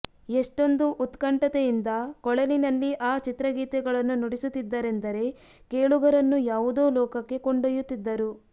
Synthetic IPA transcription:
eʂʈo̞nd̪uʔut̪kɐɳʈɐt̪ejind̪ɐkɔɭɐlinɐlːiʔaːt͡ʃit̪ɾɐɡiːt̪ɛɡɐɭɐnːunoɽisut̪ːid̪ːɐɾe̞nd̪ɐɾe̞ | ke̞ːɭuɡɐɾɐnːujaːʋud̪oːlɔːkɐkːe̞koɳɖojut̪ːid̪ːɐɾu

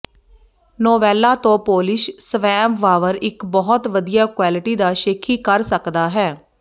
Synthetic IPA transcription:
noːʋɛːlːaːt̪õːpoːlɪʃsʋɛːmʋaːʋəɾɪkbɔːt̪ʋəd̪ijaːkwaːlɪʈiːd̪aːʃeːkʰiːkəɾsəkd̪aːɦɛː

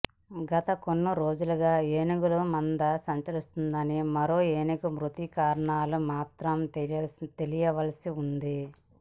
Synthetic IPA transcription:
ɡɐt̪ɐkonːuɾo̞ːd͡ʒulɐɡaːeːniɡulumɐnd̪ɐsɐɲt͡ʃɐɾist̪und̪ɐnimɐɾo̞ːeːnikumɾut̪ikaːɾɐɳaːlumaːt̪ɾɐmt̪e̞lijɐʋɐlɐsiund̪i

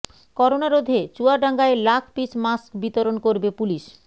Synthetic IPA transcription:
kɔɾonaɾod̪ʱet͡ɕuaɖaŋɡaelakʰpit͡ɕmaskbit̪oɾonkoɾbepuliʃ

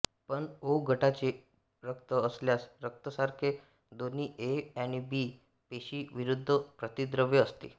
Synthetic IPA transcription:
pəɳoɡʱəʈat͡ɕe | ɾəkt̪əəsljasɾək̚t̪əsaɾkʰe | d̪on̤iːʔeañibiː | peɕiːʋiɾud̪ʱːəpɾət̪id̪ɾəʋjəːst̪ḭ

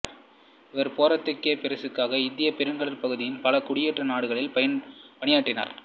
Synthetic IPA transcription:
ɪʋɐɾpoːɾɐt̪ːɯkːeːpɪɾɐsɯkːaːɣɐɪnd̪ɪjɐpɛɾɯnɡɐɭɐɾpɐɣɯðɪjɪnpɐlɐkʊɽɪjɛʈrɐnaːɽɯɣɐɭɪlpɐjɐnpɐɳɪjaːʈːɪna̰ːɾ

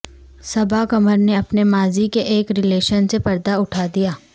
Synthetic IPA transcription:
sɐbʱakɐməɾneɐpnemaːzikeʔeːkɾɪleːʃənsepɐɾd̪aʊʈʰaːd̪ijaː

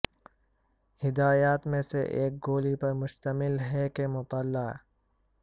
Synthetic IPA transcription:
hɪd̪aːjaːt̪mẽseʔeːk̚ɡoːlipɐɾmʊʃt̪ɐmɪlɦɛkemʊt̪əlːaː

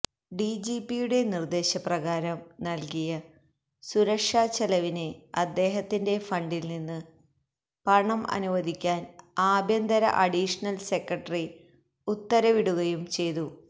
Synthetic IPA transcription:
ɖid͡ʑiːpːijuɽe̞nird̪e̞ːɕɐprɐɣaːɾɐmnɐlkijɐ | suɾɐkʂaːt͡ɕːɐlɐʋineɐd̪ːe̞ːɦɐt̪ːinde̞fɐɳɖilninːɨ | pɐɳɐmɐ̰nuʋɐd̪ʱikʲːaːnaːbʱjɐnd̪ɐɾɐ̰ʔɐɽiʂɐnɐlse̞krɐʈːɐri | ut̪ːɐɾɐʋiɽuɣɐjumt͡ɕe̞jt̪u

